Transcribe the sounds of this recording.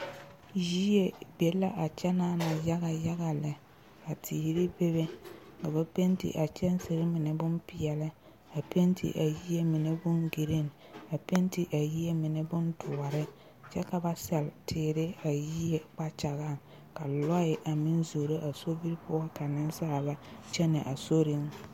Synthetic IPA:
ji˦je˨be˨la˦ʔa˨t͡ʃɛ˦naː˦na˨ja˦ɣa˨ja˦ɣa˨lɪ˨ | a˨tʰiː˨ɾɪ˦be˦βe˦ka˨ba˦pe˦ntḭ˨ʔa˨t͡ʃɛ˦n˦se˨ɾɪ˦mɪ˨nɛ˨bʊ˦npɪ˨ɛ˨lɪ˦ | a˨pe˦ntḭ˨ʔa˨ji˦ɛ˦mɪ˨ne˦bʊ˦nɡi˨ɾɪ˦˨na˨pe˦nti˨ʔa˨ji˦ɛ˦mɪ˨ne˦bʊ˦ndʊ˨ɔ˨ɾɪ˦ | t͡ʃɛ˦ka˨ba˦sɛ˨ltʰɪː˨ɾɪ˦a˨ji˦je˨k͡pa˦t͡ʃa˨ɣa˦˨ŋ | ka˨lɔ˦ɪ˨ʔa˨mɪ˦nzo˨ɾe˦ʔa˨so˦bi˦ɾpʊ˦a˦ka˨nɪ˦nsa˦a˨ba˦t͡ʃɛ˦nɪ˨ʔa˨so˦ɾɪ˦ŋ

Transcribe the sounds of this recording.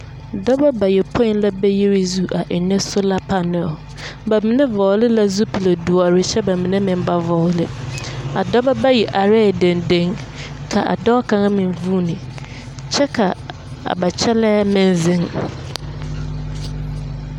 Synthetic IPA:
dɔ˦ba˦ba˨jɛ˨pʰɔ̃˦n˦la˦bɛ˦ji˦ɾɪ˦zu˦ʔa˨ʔɛ˨nɛ̃˦sʊ˦la˦pʰa˨nɛ̃˨ | bæ˨mĩ˨nɛ̃˦vɔ˨˦lɪ˦la˦zu˦pʰi˨le˨du˨a˨ɾɪ˦ɕɛ˦ba˨mĩ˨nɛ̃˦mɪ̃˨m˦ba˦vɔ˨˦lɪ˦a˨dɔ˦ba˦ba˦jɛ˨ʔa˨ɾɛ˦˨dɛ̃˨ndẽ˦ŋ | kʰa˨ʔa̰˨dɔ˦kʰã˨ŋa˦mɪ̃˨m˨vu˦nɪ̃˨ | t͡ɕʰɛ˦kʰa˨ | a̰˨ba˨t͡ɕʰɛ˦lɛ˦mɪ̃˦n˦zɪ̃˦ŋ

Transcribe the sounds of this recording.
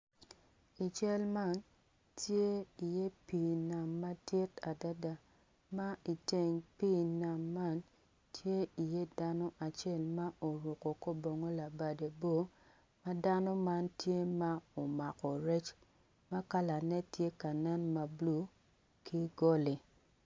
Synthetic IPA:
i˨t͡ʃɛ˦lma˦n | tje˦i˨je˦pi˨na˨mːa˦tɪ˦ta˨da˦da˨ | ma˦i˨te˨ŋpi˦na˨mːa˦n | tʰje˦i˨je˦da˦nɔ˦ʔa˨t͡ʃe˦˨lma˦ʔo˨ɾo˨ko˨ko˦bo˨ŋo˦la˨ba˨de˨bo˦ | ma˦da˦nɔ˦ma˦ntje˦ma˦o˨ma˨kɔ˨ɾe˦t͡ʃ | ma˦ka˦la˨nɛ˦tje˦ka˨nɛ˦nma˨blu˦ | kʰi˦ɡo˦li˨

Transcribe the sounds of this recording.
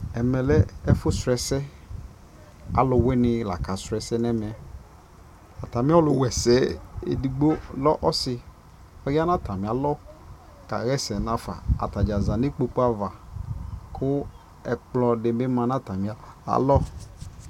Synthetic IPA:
ɛ˨mɛ˨lɛ˦ɛ˦fʊ˦sɾɛ˨sɛ˦ | a̰˨lʊ˨wɛ˦nɪ˨la˨ka˨sɾɛ˨sɛ˦n˦ɛ˦mɛ˨ɛ˨ | a˨ta˨mĩ˦ɔ˦lʊ˨wɛ˨sɛ˨˦ḛ˨di˨ɡ͡bo˦lɔ˦ʔɔ˦sɪ˨ | ɔ˦ja˦na˦ta˨mĩ˨a˨lɔ˦ | ka̰˨ɣɛ˦sɛ˨na˦fa̰˨a̰˨ta˨d͡ʒa˨za˨ne˦k͡po˨k͡po˦a˦va˨ | kʰʊ˦ | ɛ˨k͡plɔ˨dɪ˨be˦mã˨na˦ta˨mĩ˨a˨a̰˨lɔ˦

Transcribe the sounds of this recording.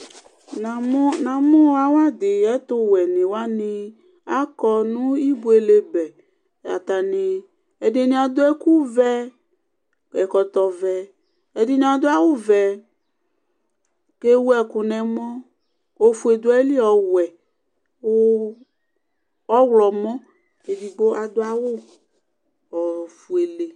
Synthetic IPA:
na˨m˦nã˨mɔ̃˦a˦wa˦d̪e˨ɛ˦t̪o˦wɛ˨nẽ˨wa˦nĩ˦ | a˦kɔ˦nũ˦i˦bu˦e˨le˦bɛ˨ | ja̰˨t̪a˨nẽ˨ | e˨de˨nĩ˦a˨d̪o˦ɛ˦ku˦vɛ˦ | kɛ˨kɔ˨t̪ɔ˨vɛ˨ | e˨de˨nĩ˦a˨d̪o˦a˦wo˦vɛ˨ | ke˦wu˦ɛ˨ku˨nɛ̃˨mɔ̃˦ | o˦fu˨˦e˨d̪o˦ɛ˦li˦ɔ˨wɛ˨˦ | ɔ˦wlɔ˨mɔ̃˦ | ke˨di˨ɡ͡bo˦ʔa˨d̪o˦a˦wo˦ | ɔ˨fu˨e˨le˨

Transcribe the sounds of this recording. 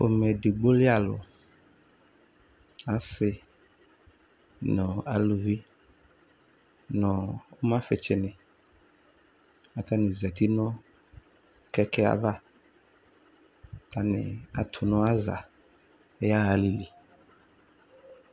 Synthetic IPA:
o̰˨mɛ˨dɪ˨ɡ͡bo˦lɪ˦a˨lʊ̰˨ | a˨˦sɪ˦ | nɔ̃˨a˨lu˨vi˦ | nɔ̃˨ʊ˦mã˦fɪ˨t͡ʃɪ˨nɪ̃˨ | a˨t̪a˦nɪ̃˨zɛ˨t̪i˦nɔ̃˦ | kɛ˦kɛ˦a̰˨va˦˨ | t̪a˦nɪ̰˨a˨tʰʊ˨nɔ̃˦a˦za̰˨˦ | ja˦a˨li˨li˨

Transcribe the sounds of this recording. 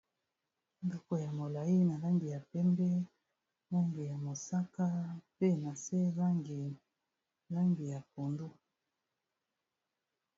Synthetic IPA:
ndɔ˦ko˨ja˨mo˨la˨ji˦na˨la˦ŋɡi˨ja˨pɛ˦mbɛ˦ | la˦ŋɡi˨ja˨mo˨sa˦ka˦pe˦˨na˨sɛ˦la˦ŋɡi˨ | la˦ŋɡi˨ja˨po˨ndu˦

